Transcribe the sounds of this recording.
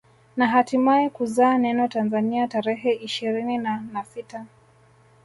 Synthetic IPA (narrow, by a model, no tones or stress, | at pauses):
naɦatimaɛkuzaːnɛnɔtanzaniataɾɛɦɛiʃiɾininanafita